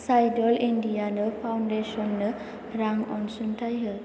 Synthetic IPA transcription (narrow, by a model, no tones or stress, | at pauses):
sajdɔlʔindianəfʰawɳɖeʃɔnːə | ɾaŋɔ̰̃nsunʈajɦə